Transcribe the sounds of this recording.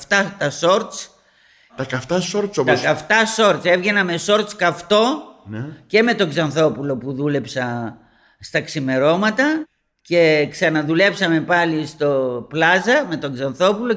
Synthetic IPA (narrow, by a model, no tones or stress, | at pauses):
ft̪ɐt̪ɐso̞ɾt̪t͡s | t̪ɐkɐft̪ɐsoɾt̪sopt̪ɐkɐft̪ɐso̞ɾt̪t͡se̞vʝe̞nɐme̞so̞ɾt̪t͡skɐft̪o̞nce̞me̞t̪o̞ɡzɐnθo̞pulo̞puðule̞psɐ | st̪ɐksime̞ɾo̞mɐt̪ɐ | ce̞ksɐnɐðule̞psɐme̞pɐlist̪o̞plɐzɐme̞t̪o̞ɡzɐnθo̞pulo̞